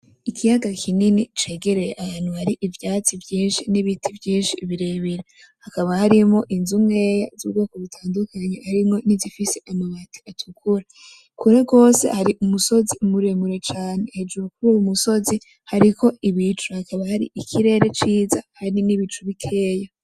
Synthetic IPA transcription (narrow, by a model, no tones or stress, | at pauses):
ikʰijaɡakʰininit͡ʃe̞ːɡe̞ɾe̞jeʔahaːn̥huhaɾiʔivjaːt͡sivjiːnʃiniβitʰivjiːnʃiβiɾeβiɾe | hakaβahaɾimo̞ʔinzumŋejazṵβɡo̞ːkoβitʰaːndukʰaɲehaɾimŋo̞nizifise̞ʔamaβatʰi̥atʰukʰuɾa | kuɾeɡo̞ːse̞̰haɾiʔumuso̞zimuɾemuɾe̞t͡ʃaːne̞hed͡ʒoɾok̚uumuso̞zi | haɾiko̞iβit͡ʃuhakaβahaɾḭʔikʰiɾe̞ːɾet͡ʃiːza̰haniniβit͡ʃuβikʰe̞ːja